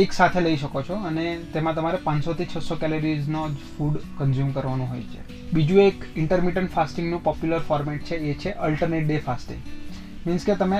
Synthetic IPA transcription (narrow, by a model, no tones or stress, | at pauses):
eksat̪ʰeləiʃəkot͡ʃʰɔənet̪emãt̪əmaɾepãnsot̪ʰit͡ʃʰəsokɛloɾiznod͡ʒfuɖkənzjumkəɾʋanũɦo̰jt͡ʃʰḛ | bid͡ʒũekɪɳʈəɾmiʈəɳʈfasʈĩŋɡnũpɔpjuləɾfɔɾmɛʈ̚t͡ʃʰeet͡ʃʰeʔəlʈəɾneʈ̚ɖefasʈḭ̃ŋɡ | minsket̪əme